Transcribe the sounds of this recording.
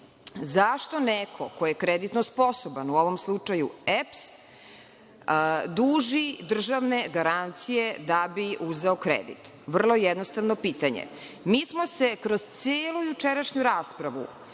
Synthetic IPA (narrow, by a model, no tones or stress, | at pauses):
zaʃt̪o̞nekʰokojekɾed̪it̪nospo̞sobanuoʋomslˠut͡ʂajuɛps | d̪uːʒid̪r̩ʒaʋne̞ɡaɾant̪sijed̪abiʔuzeokɾḛd̪ḭt̪ | ʋr̩lˠo̞jɛd̪nost̪aʋnopiːt̪aɲḛ | miːsmo̞sekɾoz̥t̪seːlujut͡ʃeɾaʃɲuɾaːspɾaʋṵ